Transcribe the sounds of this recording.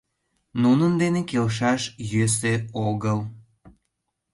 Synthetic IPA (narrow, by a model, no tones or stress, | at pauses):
nunənd̪enekelʃ̬ɑʃjøs̬eoɣəl